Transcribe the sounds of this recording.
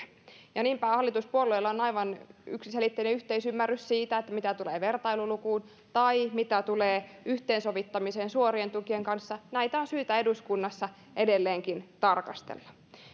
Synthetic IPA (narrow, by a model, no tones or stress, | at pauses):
jɑniːmpæːhɑlːˑit̪uspuolːeilːɑonɑjʋɑny̰ksiselit̪ːeineyht̪eisymːærːyssiːt̪æet̪ːæmit̪æt̪uleːʋe̞rt̪ɑilulukuːn | t̪ɑimit̪æt̪uleːyht̪eːnso̞ʋit̪ːɑmiseːnsuoɾient̪ukieŋkɑnsːɑnæit̪æonsyːt̪æe̞duskunːɑsːɑ | ʔedelːeːŋkint̪ɑrkɑst̪ḛlːɑ̥